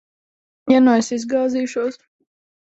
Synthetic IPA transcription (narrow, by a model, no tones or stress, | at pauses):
janɔsizɡaːziːʃuɔs